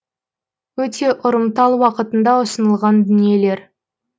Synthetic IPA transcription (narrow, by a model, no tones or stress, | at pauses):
wɵt̪ʰe̞ʔʊɾəmt̪ɑlˠwɑqət̪ənd̪ɑʊsənəlˠʁɑnd̪ʏnije̞le̞ɾ